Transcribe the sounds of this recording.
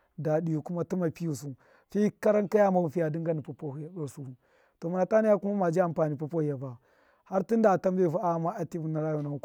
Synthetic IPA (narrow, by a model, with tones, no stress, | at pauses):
da˨di˨ju˨ku˦ma˦ti˦ma˨pi˦ju˨su˨ | fi˦ka˦ɾa˦ŋka˦ja˦ma˨u˦fi˦ja˨di˦ŋɡa˦ni˨pa˨po˦hu˨ja˨ɗo˦ɾsu˦u˨ | to˨ma˨na˨ta˦ni˦ja˦ku˦ma˦ma˨d͡ʒi˦a˨mpa˨ni˨pa˦po˦hi˨ja˨ba˨ | ha˦ɾti˦nda˨ta˦mbe˦˨vu˦a˦˨ma˦a˦ti˦vu˦na˨ɾa˦jo˨na˨u˦˨